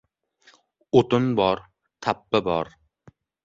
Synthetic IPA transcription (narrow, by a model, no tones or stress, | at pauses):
ot̪ʊnbɒɾ | t̪ʰapːabɒɾ